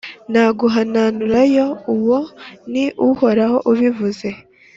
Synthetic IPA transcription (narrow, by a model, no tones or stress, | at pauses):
naːɡuɦananuɾajo̞uwo̞niʔuho̞ɾaho̞ʔuβivuze̞